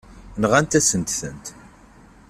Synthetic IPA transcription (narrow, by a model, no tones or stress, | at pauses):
nʁænt̪æsənt̪θənt̪